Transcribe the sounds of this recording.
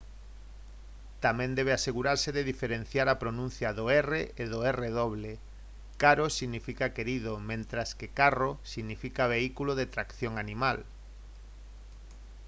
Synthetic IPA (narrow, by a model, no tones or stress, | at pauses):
t̪amɛ̃nd̪ɛβ̞easeɣuɾaɾseðeðifeɾen̟θjaɾapɾonũnθjɐðʊɛreeðʊɛreðoβ̞le | kaɾosiɣnifikakeɾiðomẽnt̪ɾaskekarosiɣnifikaβeikuloðet̪ɾakθjoŋanimal